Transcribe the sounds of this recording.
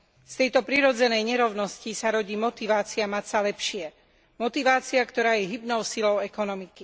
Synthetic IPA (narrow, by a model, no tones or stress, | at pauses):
st̪ɛjt̪ɔpɾiɾɔd͡zɛnɛjɲɛɾɔʊnɔscisaɾɔɟiːmɔt̪iʋaːt͡siamat͡salɛpʃɪɛ | mɔt̪iʋaːt͡siakt̪ɔɾaːjɛɦibnɔʊsilɔʊɛkɔnɔmiki